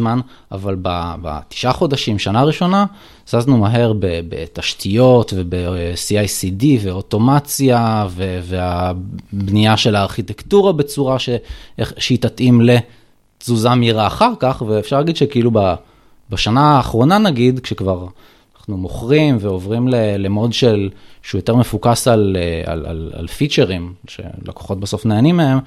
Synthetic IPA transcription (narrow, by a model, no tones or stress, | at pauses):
man | a̰valbaba̰t̪i̥ʃʔaχo̞daʃimʃanaʁiʃo̞na | z̥aznumaɦe̞ʁbebḛtaʃtʰijo̞tve̞besiajsidiveo̞to̞mat͡sjavevea | bnijaʃe̞laːʁχitektuʁabe̞t͡suʁaʃeʃitatimle̞ | t͡suzamiʁaːχaʁkaχveːfʃaʁlaɡid̪ʃekeiluba | baʃanaːχʁo̞nanaɡid̪kʃekvaʁ | naχnumo̞χʁimve̞o̞vʁimlelemo̞dʃe̞lʃeujo̞teʁmefukasalea̰la̰la̰lfit͡ʃe̞ʁimʃḛla̰ko̥χo̞t̚beso̞fneːnimːee̞m